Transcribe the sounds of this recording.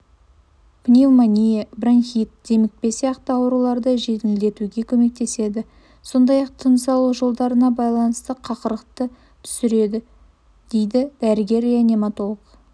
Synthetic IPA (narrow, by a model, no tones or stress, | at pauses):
pʰnʲilˠmanʲijebranxit̪̚d̪̥e̞mɪk̚pe̞sijɑqt̪əɑwɾulˠɑɾd̪əʒe̞t̪ɪɪld̪e̞t̪uɡʲe̞kʲʰɵme̞k̚t̪e̞se̞d̪ɪ | so̞nd̪ɑjɑq̚t̪ʰənsɑlˠuʒo̞lˠd̪ɑɾənɑbɑjlˠɑnəst̪əqʰɑqəɾəq̚t̪ə | t̪ʰʏ̥sɪɾe̞d̪ɪ | d̪̥e̞jd̪ɪd̪̥æɾɪɡʲe̞ɾanʲe̞mat̪o̞lˠəq